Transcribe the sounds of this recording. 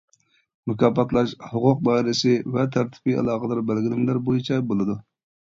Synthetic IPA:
mɛkɑːpːɑt̪lˠɑʃhʊqʊq̚bɑɾɪsɪvɛt̪ʰæɾt̪ʰɪ̥piɑ̰lˠɑːqəd̪ɑɾbælɡʲilɪmlæɾbojit͡ʃʰɛbolˠɨd̪u

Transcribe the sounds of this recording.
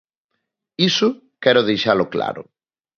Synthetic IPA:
isʊ | kɛɾoðejʃalokla̰ɾo̰

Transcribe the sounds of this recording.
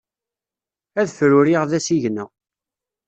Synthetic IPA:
æðfɾʊɾiʁðæsiʝnæ

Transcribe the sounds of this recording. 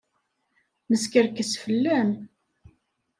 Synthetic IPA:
məskəɾkəsfəlːæm

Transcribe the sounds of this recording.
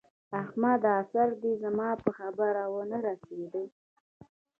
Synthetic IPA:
axmad̪asaɾd̪izamɑpəxabəɾawənaɾased̪ə

